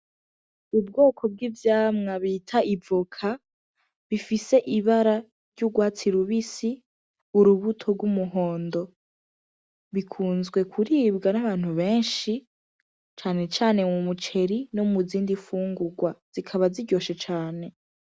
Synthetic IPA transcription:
ub̚ɡo̞ːkʰo̞b̚ɡivjaːmŋaβitʰaʔivokʰa | βifise̞ʔiβaɾa | ɾɟuɡwaːt͡siɾuβisi | uɾuβutʰo̞ɡwumuɦo̞ːndo̞ | βikʰuːnzɡwe̞kʰuɾiːbɡanaβaːn̥huβeːnʃi | t͡ʃaːne̞t͡ʃaːne̞mumut͡ʃe̞ɾinomuziːndifuːŋɡuɡwaz̥ikʰaβaziɟo̞ːʃet͡ʃaːne̞

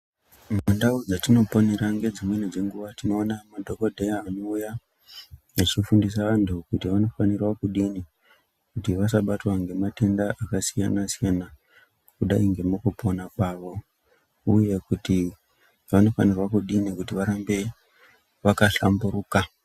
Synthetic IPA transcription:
mundaud͡zatino̞po̞neɾaŋɡe̞d͡zimwenid͡ze̞ŋɡuʋatino̞ːnamadʱo̞ko̞dʱejaːno̞uja | at͡ʃifundis̬aʋantʰukutiʋano̞fanirwakuɗini | kutiʋasaɓatwaŋɡe̞mate̞ndaʔakasija̰nasijana | kuɗaiŋɡe̞mukupo̞nakwaːʋo̞ | uje̞kuti | ʋano̞fanirwakuɗinikutiʋaɾambe̞ | ʋakaɬa̰mbuɾuːka

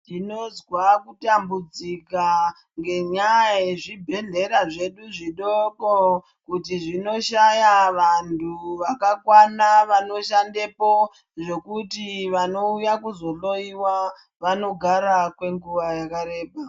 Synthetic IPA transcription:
tino̞zwakutambud͡zika | ŋɡe̞ɲajeʐibʱe̞ɮe̞ɾaʐe̞ɗuʐiɗoko | kutiʐino̞ʃajaʋantʰuʋakakwanaʋano̞ʃande̞po̞ | ʐe̞kutiʋano̞ujakuzo̞ɬo̞iwa | ʋano̞ɡʱaɾakwe̞ŋɡuʋajakaɾe̞ːbʱa

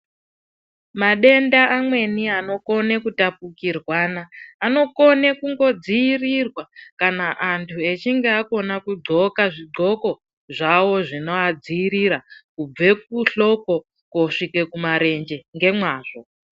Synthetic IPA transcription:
maɗe̞ndaːmwe̞niano̞ko̞ne̞kutap̚ukirwaːnaːno̞ko̞ne̞kuŋɡo̞d͡ziːrirwakanaʔantʰue̞t͡ʃiŋɡeako̞nakuɡ͡ǀʱo̞kaʐiɡ͡ǀʱo̞ko̞ | ʐawo̞ʐino̞ad͡ziːɾiɾakub͡ve̞k̚uɬo̞ko̞ | koʂike̞kumaɾe̞nd͡ʒe̞ŋɡe̞mwaːʐ̥o̞

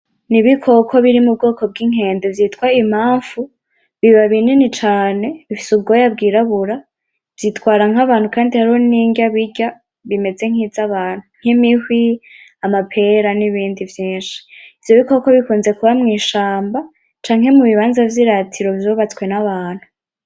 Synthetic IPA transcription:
niβikʰo̞kʰo̞βiɾimub̚ɡo̞ːko̞b̚ɡiŋ̥e̞ːndevjitkwaim̥aːɱv̥u | βiβaβininit͡ʃaːne̞βifi̥subɡo̞jabɡiɾaβuɾa | v̥jitkwaːɾaŋaβaːn̥hukaːndihaɾihoniːŋɡaβiɟa | βime̞d͡ze̞ŋ̥hizaβaːn̥huŋ̥imihwiamapʰe̞ɾaniβiːndivjiːnʃi̥iv̥jo̞βiko̞ko̞βikuːnze̞kuβamŋiːʃaːmba | t͡ʃaːŋhe̞muβiβaːnzavjiɾatʰiɾo̞vjoβat͡swe̞naβaːn̥hu

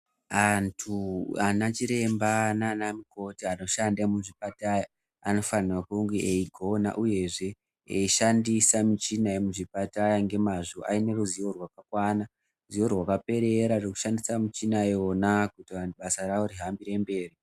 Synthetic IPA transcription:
antʰuanat͡ʃiɾe̞mbanaːnamiko̞tiano̞ʃandamuʐipataja | ano̞fanirakuŋɡeeiɡʱona̰ʔuje̞ʐe̞ | eiʃandisamit͡ʃinaemuʐipatajaŋɡe̞maʐo̞ʔaine̞ruzijo̞rwakakwana | zijo̞rwakape̞ɾe̞ɾaroku̥ʃandisamit͡ʃinaeonakutianɓasaɾaoriɦambiɾe̞mbe̞ːri

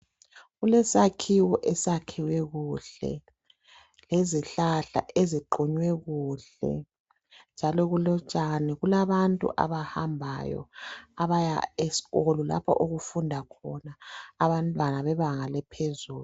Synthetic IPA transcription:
ɣulɛsakʰiwɔʔɛsakʰiwɛɣuɬɛ̰ | leziɬaɬa̰ʔeziǃɔɲwɛɣuːɬɛ̰ | nd͡ʒʱalɔɣulɔt͡ʃʼanɛɣulaβantʼṵʔa̰βahambʱa̰jɔ̰aβaja̰esi̥ɣolɔla̰pʰɔʔoɣufundʱakʰɔnaːβantʼwanaβɛβaŋalɛpʰezuːlu

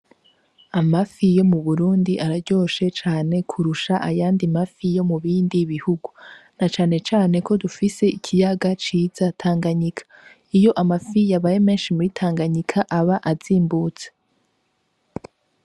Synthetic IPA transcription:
amafijo̞muβuɾuːndiʔaɾaɾɟo̞ːʃe̞t͡ʃaːne̞kʰuɾuʃaʔajaːndimafijo̞muβiːndiβihuɡunat͡ʃaːne̞t͡ʃaːne̞ko̞dufise̞icʰijaɡat͡ʃiːz̥atʰaːŋɡaɲikʰḁ | ijo̞ʔamafijaβajeme̞ːnʃimuitʰaːŋɡaɲikʰaʔaβaʔaziːmbut͡se̥

